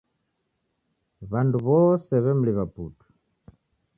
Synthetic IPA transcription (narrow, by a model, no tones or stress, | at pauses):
βanduβɔsɛβɛmuliβapuːtʰu̥